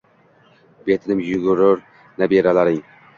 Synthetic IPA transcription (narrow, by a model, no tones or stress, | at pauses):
bet̪ʰɪnɪmjʊɡʊɾʊɾ | nabeɾalaɾɪŋ